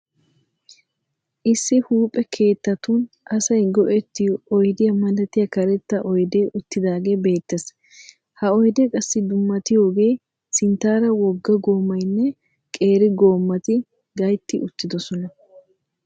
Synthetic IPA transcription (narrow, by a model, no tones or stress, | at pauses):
ʔɪsːɪhuːpʼɛkʰe̞ːt̪ːɐt̪un | ʔɐsɐjɡɔʔɛt̪ːɪjɔjd̪ɪjɐmɐlɐt̪ɪjɐkɐɾɛt̪ːɐʔɔjd̪eʔʊt̪ːɪd̪aːɡe̞ːbe̞ːt̪ːes | hɐɔjd̪ɛkʼɐsːɪd̪ʊmːɐt̪ɪjo̞ːɡe̞ː | sɪnt̪aːɾɐwɔɡːɐɡo̞ːmːɐjnːɛ | kʼe̞ːɾɪɡo̞ːmːɐt̪ɪ | ɡɐjt̪ːɪʔʊt̪ːɪd̪ɔsɔnɐ